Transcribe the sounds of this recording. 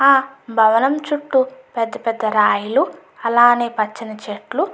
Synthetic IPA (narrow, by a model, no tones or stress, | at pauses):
aːbʱɐʋɐnɐmt͡ʃuʈːupɛd̪ːɐpɛd̪ːɐɾaːjulu | ɐlaːneːpɐt͡ʃːinɐt͡ʃeʈlu